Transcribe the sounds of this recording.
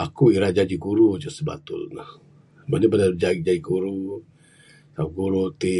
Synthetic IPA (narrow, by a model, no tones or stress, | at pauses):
akuiɾad͡ʒad͡ʒiɡuɾud͡ʒəsəba̰t̪ʊ̰lnah | manabanad͡ʒaid͡ʒad͡ʒiɡuɾu | t̪aɡuɾut̪i